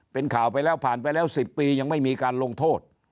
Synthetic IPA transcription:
pe˧nkʰaː˨˩wpa˧jlɛː˦˥wpʰaː˨˩npa˧jlɛː˦˥˩wsi˨˩pːiː˧ja˧ŋma˥˩jmiː˧kaː˧nlo˧ŋt̪ʰoː˥˩t̪̚

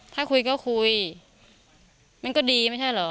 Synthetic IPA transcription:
t̪ʰaː˥˩ku˧jkɔː˥˩kʰu˧j | ma˧˥nkɔː˥˩diː˧ma˥˩˨t͡ɕʰa˥˩jlɔ˩˦

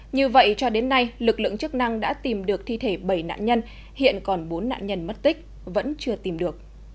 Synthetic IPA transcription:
ɲɨ˧və̰˧˨jt͡ɕɔ˧ɗe˨˦nːa˧jlɨ˨˩k̚lɨ̰˧˨əŋt͡ɕɨ˦˥ək̚na˧ŋɗa̰ː˧˥t̪i˨˩mɗɨ˨˩ək̚t̪ʰi˧t̪ʰe˧˩ɓə˧˩jna̰ː˧˨nɲə˧n | hḭ˧˨ənkɔ˨˩nɓo˨˦nːa̰ː˧˨nɲə˧nmə˦˥t̚t̪ï˦˥k̟̚ | və̰˧˥nt͡ɕɨ˧ət̪i˨˩mɗɨ˨˩ə˩k̚

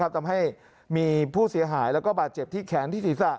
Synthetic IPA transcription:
a˦˥p̚t̪ʰa˧mɦa˥˩j | miː˧pʰuː˥˩si˨˩˦ɐɦaː˩˦jlɛː˦˥wkɔː˥˩baː˨˩t̪̚t͡ɕe˨˩p̚t̪ʰiː˥˩kʰɛː˩˦nt̪ʰiː˥˩siː˨˩˦sa˨˩

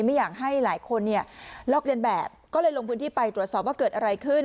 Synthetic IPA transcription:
ma˥˩jaː˨˩k̚ɦa˥˩jlaː˩˦jkʰo˧nːi˥˩ɐlɔː˥˩k̚li˧ənbɛː˨˩p̚kɔː˥˩lɤː˧jlo˧ŋpʰɯ˦˥nt̪ʰiː˥˩pa˧jt̪ɾu˨˩əsɔː˨˩p̚waː˥˩kɤː˨˩t̪ʔa˧ɾa˧jkʰɯ˥˩n

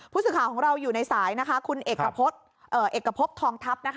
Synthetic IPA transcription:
pʰuː˥˩t̪sɯː˨˩kʰaː˨˩wkʰɔː˩˦ŋɾa˧wjuː˨˩na˧jsaː˩˦jna˦˥kʰa˦˥kʰu˧nʔeː˨˩kkːa˧pʰo˦˥t̪̚ | ʔɤː˨˩ʔeː˨˩kːɾa˧pʰo˦˥p̚t̪ʰɔː˧ŋt̪ʰa˦˥p̚na˦˥kʰ

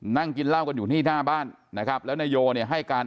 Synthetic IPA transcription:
na˥˩ŋki˧nla˥˩wka˧njuː˨˩t̪ʰiː˥˩naː˥˩baː˥˩nːa˦˥kʰa˦˥p̚lɛː˦˥wna˧joː˧ni˥˩ɦa˥˩jkaː˧n

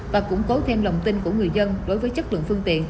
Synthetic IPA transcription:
vaː˨˩kʊ̰˧˥ŋ͡mko˨˦t̪ʰe˧mlə˨˩wŋ͡mt̪i˧nku˧˩əŋɨ˨˩əjzə˧nɗo˨˦jvəː˨˦jt͡ɕə˦˥t̚lə̰˧˨nfɨ˧əŋt̪ḭ˧˨ən

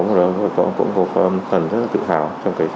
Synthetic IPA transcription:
m̚˨˩ə˨˩o˨˩kɔ̰˧˥kʊ̰˧˥ŋ͡mkɔ˨˦kːfə˨˩nzə˦˥laː˨˩t̪ɨ̰˧˨t̪ʰaː˧˩wt͡ɕɔ˧wŋ͡mkaː˨˦j

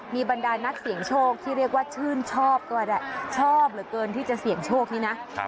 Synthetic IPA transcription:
miː˧ba˧ndaː˧na˦˥k̚si˨˩˦ŋt͡ɕʰoː˥˩k̚t̪ʰiː˥˩ɾi˥˩ək̚waː˥˩t͡ɕʰɯː˥˩nt͡ɕʰɔː˥˩p̚t̪u˧˨da˧˩t͡ɕʰɔː˥˩p̚ɾɯ˩˦kɤː˧nt̪ʰiː˥˩t͡ɕa˨˩si˨˩˦əŋt͡ɕʰoː˥˩k̚niː˥˧na˦˥

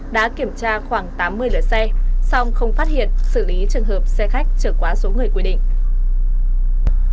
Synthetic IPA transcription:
ɗa̰ː˧˥ki˧˩əmt͡ɕaː˧xwaː˧˩ŋt̪aː˨˦mːɨ˧əjləː˨˩t̚sɛ˧sɔ˧wŋ͡mxə˧wŋ͡mfaː˦˥t̚hḭ˧˨ənsɨ˧˩li˨˦t͡ɕɨ˨˩əŋhəː˨˩p̚sɛ˧xa˦˥jk̟̚t͡ɕəː˧˩kwaː˨˦so˨˦ŋɨ˨˩əjkwi˧ɗḭ̈˧˨ŋ̟

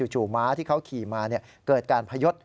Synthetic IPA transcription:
u˨˩t͡ɕʰuː˨˩maː˦˥t̪ʰiː˥˩kʰa˦˥wkʰiː˨˩maː˧ni˥˩ə | kɤː˨˩t̪̚kaː˧npʰa˧jo˦˥t̪̚

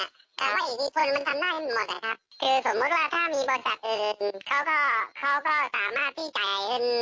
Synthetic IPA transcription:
a˧˩ | t̪ɛ̰ː˦˥waː˥˩˨ʔi˨˩t̪iː˧˩kʰo˧nma˧nt̪ʰa˧mdaː˥˩jʔmo˨˩t̪̚la̰˨˩kʰa˦˥p̚kʰɯː˧so˩˦mːu˦˥t̪̚waː˥˩t̪ʰaː˥˩miː˧bɔː˧ɾi˧sa̰˨˩t̪̚ʔɯː˨˩kʰa˦˥wkɔː˥˩kʰa˦˥wkɔː˥˩saː˩˦maː˥˩t̪ʰːiː˥˩t͡ɕa˨˩e˧˩n

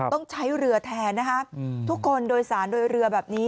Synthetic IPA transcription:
t̪ɔ˥˩ŋt͡ɕʰa˦˥jɾɯ˧ɐt̪ʰɛː˧na˦˥kʰa˦˥t̪ʰu˦˥kʰːo˧ndoː˧jsaː˩˦ndoː˧jɾɯ˧ɐbɛː˨˩p̚niː˦˥

